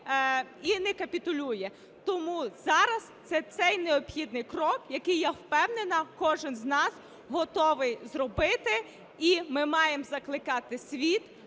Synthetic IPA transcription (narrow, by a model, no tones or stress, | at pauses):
inɛkɐpʲit̪ʊlʲujɛ | t̪ɔmuzɑɾɐst̪sɛt̪sɛjneɔbxʲid̪nɪjkrɔkjɐkɪjːɛwpɛwnenɐkɔʒɪnznɑs | ɦɔt̪ɔʋɪjzrɔbɪt̪ɪ | imɪmɑjemzɐklˠɪkɑt̪ɪsʲʋʲit̪